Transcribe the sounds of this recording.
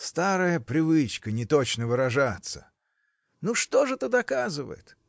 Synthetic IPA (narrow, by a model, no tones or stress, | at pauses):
st̪aɾəjəpɾʲɪvɨt͡ɕkənʲɪt̪ot͡ɕnəvɨɾɐʐat̪sə̰ | nuʂt̪o̞ʐɨt̪əd̪ɐkazɨvə̰jɪ̰t̪